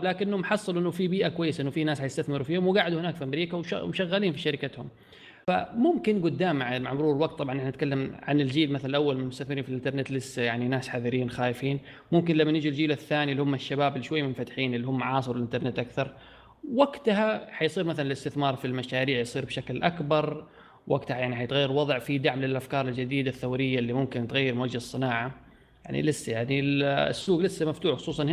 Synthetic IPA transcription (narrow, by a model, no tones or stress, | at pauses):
blaːkɪnːʊmħɑsˤːɨlʔɪnːʊfibiːʔakʊwajːɪsʔɪnːʊfiːnaːsħajɪst̪aθmɪɾufiːhʊmwɪɡaːʕd̪uhɪnaːkfiʔamɾiːkawʃa̰mʊʃaɣːaliːnfiʃaɾɪkat̪hʊm | fa̰mʊmkɪnɡʊd̪ːaːmʕmaʕmʊɾuːɾɪlwaɡ̚t̪ːˤɑbʕɑnʔɪħant̪kalːamʕa̰nɪld͡ʒiːlmaθalalʔawːalmanmʊst̪aθmɪɾiːnfilʔɪnt̪ɑɾnet̪lɪsːjaʕninaːsħaðɪɾiːnxaːjɪfiːn | mʊmkɪnlamːanɪd͡ʒild͡ʒiːlaθːaːnilːihʊmːaʃːabaːbɪlːiʃwajːmɪnfat̪ħiːnʔɪlːihʊmːaʕɑːs̬ˤɨɾɪlʔɪnt̪ɑɾˤnet̪ʔakθɑɾˤ | waɡt̪haħajsˤiːɾmaθalnɪlɪst̪ɪθmɑːɾˤfilmaʃaːɾiːʕjsˤiːɾbʃaklʔakbɑɾˤ | wʔaɡt̪hajaʕniħajt̪ɣajːɪɾwɑðˤʕfid̪aʕmlɪlʔafkɑːɾˤɪld͡ʒad̪iːd̪aθːawɾɪjːaɪlːimʊmkɪnt̪ɣajːɪɾmwad͡ʒːɪsˤːɨnaːʕa | jaʕnḭlɪsːajaʕnḭsːuːɡlɪsːamaft̪uːħxʊ̥sˤuːsˤɑn